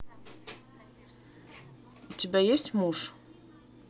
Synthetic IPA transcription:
utʰʲebʲajesʲtʲmuʂ

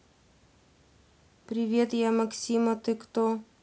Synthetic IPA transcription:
pɾʲɪvʲet̪jamɐksʲimɐt̪ɨkt̪o

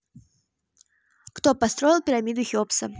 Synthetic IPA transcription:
kt̪opɐst̪ɾo̞jɪlˠpʲɪɾamʲid̪ʊxʲopsə

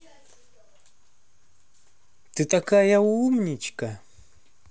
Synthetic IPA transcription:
t̪ɪt̪akajawumɲɪt͡ʃka

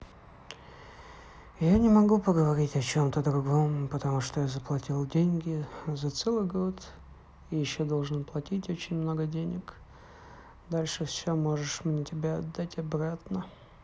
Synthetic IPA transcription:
janʲɪmɐɡupəɡəvɐɾʲitʲɐt͡ɕo̞mt̪əd̪ɾʊɡo̞mpət̪ɐmuʂt̪ojazəplˠɐtʲilˠdʲenʲɡʲɪzɐt̪sɛlˠɨjɡo̞t̪ | ijɪɕːo̞d̪o̞lˠʐɨnplˠɐtʲitʲo̞t͡ɕɪnʲmno̞ɡədʲenʲɪk | d̪alʲʂɨfsʲomo̞ʐɨʂmnʲɛtʲɪbʲaɐd̪ːatʲɐbɾat̪nə

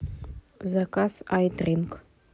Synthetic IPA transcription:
zakasajt̪rʲink

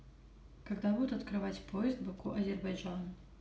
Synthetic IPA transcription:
kaɡd̪abud̪ʊt̪ɐt̪kɾɨvat͡sʲpʰojɪzd̪bɐkuʔɐzʲɛrbajʐan

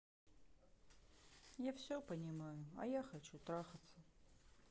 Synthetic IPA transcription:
jafsʲopənʲɪmajʊɐ̰jaxɐt͡ɕut̪ɾaxət̪sə

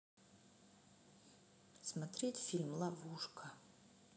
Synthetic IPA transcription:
smatʰretfʲilʲmlˠavuʂkʰa

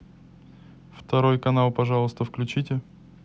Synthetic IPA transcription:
ft̪ɐɾojkɐnalˠpɐʐɑlˠəst̪əfklʲʉt͡ɕitʲɪ

